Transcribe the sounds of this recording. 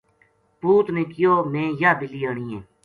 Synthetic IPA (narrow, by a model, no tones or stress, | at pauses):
puːt̪nẽːkɪjoːmẽːjaːbɪliːəːɳiːẽː